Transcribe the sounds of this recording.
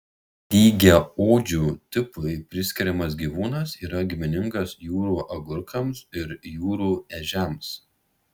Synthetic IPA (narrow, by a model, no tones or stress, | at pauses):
d̪ʲiːɡʲɛoːd͡ʒʲuːt̪ʲɪpɐɪpʲɾʲɪsʲkʲɪɾʲɛmɐs̬ɡʲiːʋuːnɐsiːɾɐɡʲɪmʲɪnʲɪŋɡɐsjuːɾuːʔɐɡʊɾkɐmsɪɾjuːɾuːɛʒʲɛms